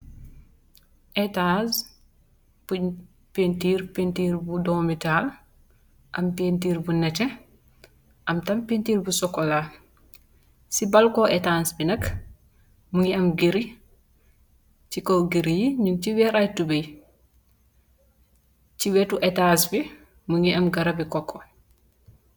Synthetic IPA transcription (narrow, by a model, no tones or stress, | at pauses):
ʔɛtas | puɲ | pentiːɾpentiːɾbudɔːmital | ʔɐmpentiːɾbunɛtɛ | ʔɐmtampentiːɾbusɔkːɔla | sibalkɔʔɛtansbinɐk | muŋiɐmɡeɾi | t͡ʃikɔɡeɾijiɲuŋt͡ʃiwɛɾajtubej | t͡ʃiwɛtuʔɛtaːnsbi | muŋiɐmɡɐɾabikɔkʰːɔ